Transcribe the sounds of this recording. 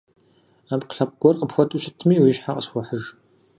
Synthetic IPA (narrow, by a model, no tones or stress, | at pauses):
aːpqə̥ɬɐp̚ɡ̥ʷɔrqəpxʷɔtʰʼuʃɪtʰmiːwiːʃħaqʼəsxʷɔħəʐ